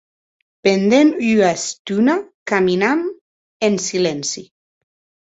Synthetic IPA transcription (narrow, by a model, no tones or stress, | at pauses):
pend̪enyast̪unakaminam | ensilensi